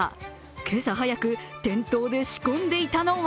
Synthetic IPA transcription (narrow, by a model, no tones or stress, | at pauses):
kʰe̞saɦajakɯ̟t̪ẽ̞nt̪o̞ːd̪e̞ɕi̥kõ̞nd̪e̞it̪ano̞β